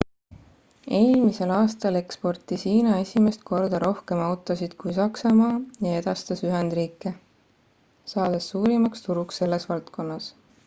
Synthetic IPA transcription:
e̞ːlmise̞lɑːst̪ɑle̞kspo̞rt̪ːˑisiːnɑe̞sʲime̞st̪̚kʰo̞rd̪ɑɾo̞hke̞mɑwt̪ˑosid̪̥kujsɑksɑmɑːjɑe̞d̪̥ɑst̪ɑsyɦend̪riːkːˑe̞ | sɑːd̪̥esːuːɾimɑkst̪uɾuksːe̞lːe̞svɑlt̪ko̞nːɑs

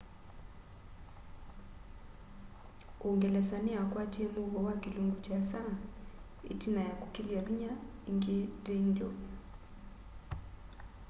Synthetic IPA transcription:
uŋɡɛlɛsaniakwatiɛmuβɔwakiluŋɡut͡ʃasa | ḭtinajakukilialuɲaiŋɡidɛndɔ

